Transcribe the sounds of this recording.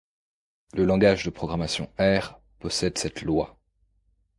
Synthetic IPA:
ləlɑ̃ɡaʒd̪əpχɔɡʁamasjɔ̰̃ɛʁ | pɔsɛd̪sɛt̪lwa

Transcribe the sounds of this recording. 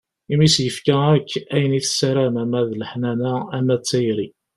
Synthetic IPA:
imisjəfkæækːæjəniθsæɾæmæmæðləħnænææmːæt͡sːæjɾi

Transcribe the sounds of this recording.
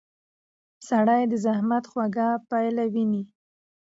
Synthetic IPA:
saɽajd̪əzahmat̪xwaɡapajlawini

